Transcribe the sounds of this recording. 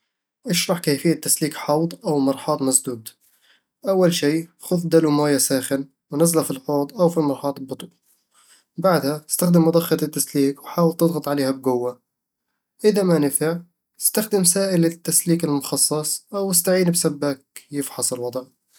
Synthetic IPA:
ʔɪʃɾˤɑħkaːfɪjːat̪ːasliːkħɑwd̪ˤʔawmɑɾˤħɑːt̪ˤmasd̪uːd̪ | ʔawːalʃiːxʊðd̪alumaːjasaːxɪn | wnazlafilħoːd̪ˤʔawfimɑɾˤħɑːt̪ˤbʊt̪ˤu | baʕd̪haɪ̥st̪axd̪ɪmʔɑd̪ˤɑxːɑt̪ɪt̪ːasliːkwħaːwɪlt̪ɨd̪ˤɣɑt̪ˤʕaleːhab̚ɡʊwːa | ʔɪðamanɪfɪʕ | ɪst̪axd̪ɪmsaːʔɪlɪt̪ːasliːkɪlmʊxɑsˤːɑsˤʔawɪst̪aʕiːnbsabːakjɪfħɑsˤɪlwɑd̪ˤʕ

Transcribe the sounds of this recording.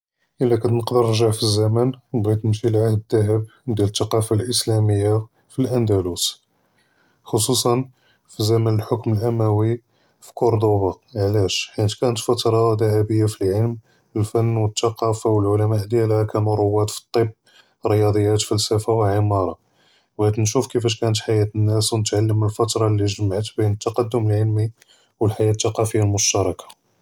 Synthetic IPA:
ʔəlːækæt̪nəqd̪əɾəɾʒaʕfizːæmænbɣæt̪nəmʃilʕahd̪əd̪ːæɦəb̚d̪jælət̪ːɑqɑfalʔəslæməjːa | filʔænd̪ælus | xosˤusˤɑn | fizæmænəlħokməlʔæmæwi | fi̥koɾd̪oba | ʕlæʃħinət̪kænət̪fɑt̪ɾˤɑd̪æɦæbəjːafilʕəlm | əlfænːwət̪ːɑqɑfawəlʕʊlæmaʔd̪jælhækænuɾˤowːæt̪fi̥t̪ˤːəb̚ | ɾəjɑd̪ˤəjːæt̪fælsæfawəʕimɑɾˤɑ | wʕæd̪nʃufkəfæʃ̬kænət̪ħajæt̪ənːæswnət̪ʕalːəmːəlfɑt̪ɾˤɑlːiʒəmaʕət̪binət̪ːɑqɑd̪ːʊməlʕəlmi | wəlħajæt̪ːɑqɑfəjːalmʊʃt̪ɑɾˤɑkʰḁ

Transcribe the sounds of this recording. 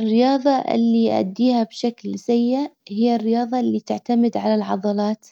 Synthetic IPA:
ɪrːɪjɑːðˤɑʔɪ̰lːiʔa̰d̪ːiːhabʃaklsajːɪʔhɪjːarːɪjɑːðˤɑlːit̪ɪʕt̪amɪd̪ʕalalʕɑðˤɑlɑːt̪

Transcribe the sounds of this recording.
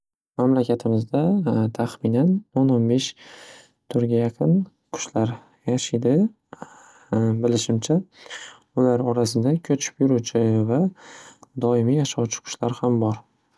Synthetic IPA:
mamlakʲat̪ʰɪmɪzd̪at̪ʰaχmɪnanononbe̞ʃ | t̪ʰʊɾɡʲajaqʰɨn | kʰʊ̥ʃlaɾ | jaʃɪd̪ɪ | bɪlɪʃɪmt͡ʃʰa | ʊlaɾɒɾasɪd̪akʲʰɵt͡ʃʰɪ̥pjʊɾut͡ʃʰɪva | d̪ɒɪmijaʃawt͡ʃʰɪ̥kʰʊ̥ʃlaɾhambɒɾ

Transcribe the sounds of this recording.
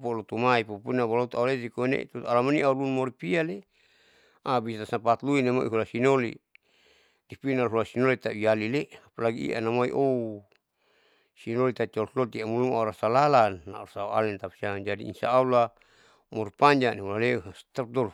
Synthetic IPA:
polot̪umaipupunabalot̪uaulet̪ikonḛt̪ut̪ualamoniʔaulunmoɾipiale | abisat̪asapat̪luinemo̰ʔḭɦulasinolḭ | dipinalɦulasinolit̪aujalileapalaɡiḭʔa̰namoḭʔou | sinolit̪at͡ʃolslolt̪iamulumauɾasalalanːa̰uɾasaua̰lɛnt̪apsad͡ʒadḭḭnsa̰ːula | mɔɾipaɲd͡ʒaneulalest̪ap̚d̪ɔl

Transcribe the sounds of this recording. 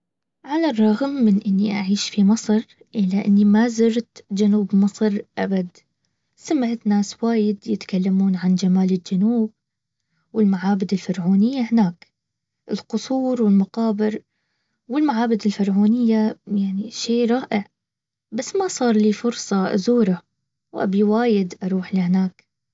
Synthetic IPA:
ʕalarˤːɑɣmːɪnʔɪnːiʔaʕiːʃfimɑsˤɾˤ | ʔɪlaʔɪ̰nːimazɪɾt̪d͡ʒanuːbmɨsˤɾʔabad̪ | samaʕɪt̪naːswaːjɪd̪jɪt̪kalːamuːnʕand͡ʒamaːlɪld͡ʒanuːb̚ | wɪlmaʕaːbɪd̪ɪlfɪɾˤʕuːnɪjːahɪnaːk | ʔɪlqʊsˤuːɾˤwɪlmaqɑːbɪɾ | wɪlmaʕaːbɪd̪ɪlfɪɾˤʕuːnɪjːajaʕniʃeːɾˤɑːʔɪʕ | basːmasˤɑːɾˤliːfʊɾsˤɑzuːɾa | wʔa̰biwaːjɪd̪ʔɑɾˤuːħlihnaːk

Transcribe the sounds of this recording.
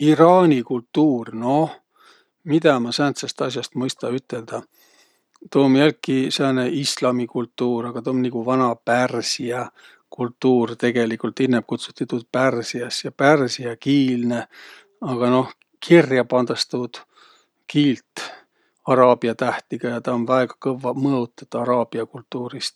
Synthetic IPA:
iɾɑːnʲikult̪ːuːrno̞h | mid̪̥ɑmɑsænt̪sɑst̪ɑsʲjɑst̪mɤjst̪ɑyt̪ːˑe̞ld̪̥ɑ | t̪o̞ːmjælkkːiseneislɑmikult̪ːuːɾɑɡ̥ɑt̪oonniɡ̥uvɑnɑpærsiɑ | kult̪ːuːrt̪e̞ɡ̥e̞likult̪inːeb̚kut̪su̥t̪ːˑet̪ːud̪̥̚pærsiɑsjɑpærsiɑkiːlne̞ | ɑɡ̥ɑno̞h | kʰirjɑpɑnd̪ɑst̪uːd̪̥ | kiːlt̪ | ɑɾɑːbiɑt̪æht̪iɡ̥ɑjɑt̪ɑonvæeɡ̥ɑ̥kɤvɑmɤot̪ːˑɑ̥t̪ːɑɾɑːb̥iɑkult̪ːuːɾist̪

